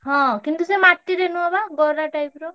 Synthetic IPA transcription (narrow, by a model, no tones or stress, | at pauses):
ɦɔ̃kint̪usemaʈːiɾenuabaɡɔɾaʈajpɾɔ